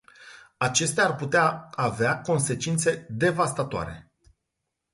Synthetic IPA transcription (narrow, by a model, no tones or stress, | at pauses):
at͡ʃe̞st̪eaːrput̪eaaveako̞nse̞t͡ʃint̪se̞d̪e̞vast̪at̪oa̰ɾe̞̰